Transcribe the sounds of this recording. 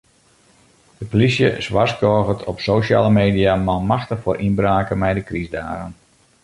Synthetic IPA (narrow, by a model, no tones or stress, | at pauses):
d̥əpolisjəsʋaskɔːɣətʰɔpsoːʃa̰ːləmeːdijamalˠmaxtəxfoːɾʔinbraːkəmɛjdəkrizdaːɣən